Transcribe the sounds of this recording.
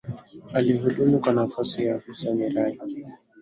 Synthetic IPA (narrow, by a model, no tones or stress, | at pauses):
aliɦudumukwanafasijaːfisamiɾaja